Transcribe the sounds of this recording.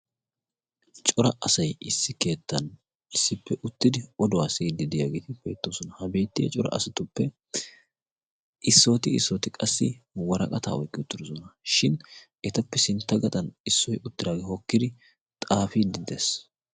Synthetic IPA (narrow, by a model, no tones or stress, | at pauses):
t͡ʃʼɔɾɐ̰ʔɐsɐjɪsːɪke̞ːt̪ːɐn | ɪsːɪpːɛʔʊt̪ːɪd̪ɪɔd̪ɔasɛd̪ɪd̪ɪjaːɡeːt̪ɪbe̞̰ːt̪ːoːsɔnɐhɐbe̞ːt̪ːɪjɐ̰t͡ʃʼɔɾɐ̰ʔɐsɐt̪ʊpːɛ | ʔɪsːo̞ːt̪ɪɪsːoːt̪ɪkʼɐsːɪwɐɾɐ̰kʼɐt̪a̰ːɔjkʼːɪʊt̪ːɪɾɔsɔnɐʃɪnʔɛt̪ɐpːɛsɪnt̪ːɐɡɐt̪ʼɐnɪsːɔjʊt̪ːɪd̪aːɡehɔkːɪd̪ɪ | t̪ʼaːfid̪ɪd̪eːs